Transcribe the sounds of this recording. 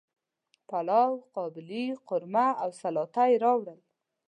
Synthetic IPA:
palɑwqɑbɪliqʊɾmaawsalɑt̪ajɾɑwɽəl

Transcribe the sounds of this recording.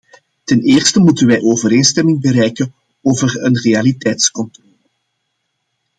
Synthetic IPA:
tɛneːrstəmutənʋɛjʔoːvəɾeːnstɛmɪŋbəɾɛjkən | oːvərənrealitɛjtskɔntrɔːlə

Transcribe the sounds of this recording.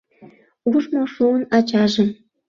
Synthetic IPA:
uʐmoʂuə̆nɑt͡ɕɑʒĕ

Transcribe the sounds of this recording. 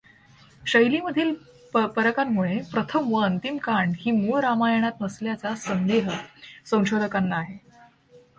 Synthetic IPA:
ɕəjliːməd̪ʱiːl | pəɾəkamːuɭepɾət̪ʰəmʋəənt̪imkaɳɖhiːmuɭɾamajəɳ̃at̪̚nəsljat͡sasənd̪eɦəsə̃w̃ɕod̪ʱəkanlaːɦe

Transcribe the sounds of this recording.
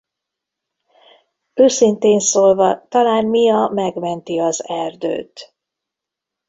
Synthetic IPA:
øːsint̪eːnsoːlvɒt̪ɒlaːnmijɒmɛɡmɛnt̪iɒzɛrd̪ø̰ːt̪

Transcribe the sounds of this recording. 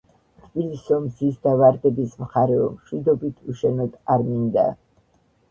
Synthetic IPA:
t̪ʰbilisɔmzisd̪avaɾd̪ɛbismχaɾɛɔmʃwid̪ɔbit̪ʰuʃɛnɔd̪aɾmind̪a̰

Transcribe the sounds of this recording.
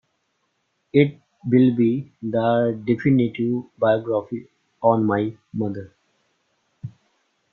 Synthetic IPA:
ɪʈ̚ | ʋɪlbid̪əɖɛfɪniʈiʋbaɪjɔɡɾafi | ɔ̃ːnmaɪ | mʌd̪əɾ

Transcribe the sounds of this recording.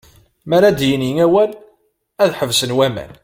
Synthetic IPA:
mæɾæd̪jənjəŋæwæl | æðħəvsənwæmæ̰n

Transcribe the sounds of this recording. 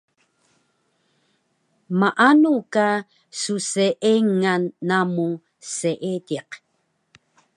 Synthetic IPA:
maʔanuka | suseʔeŋanːamu | seʔediq

